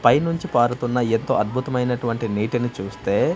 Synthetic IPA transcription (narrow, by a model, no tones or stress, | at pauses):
pɐjnuɲt͡ʃipaːɾut̪unːɐe̞nt̪o̞̰ːɐd̪̚bʱut̪ɐmɐjnɐʈuʋɐɳʈiniːʈinit͡ʃuːst̪e̞ː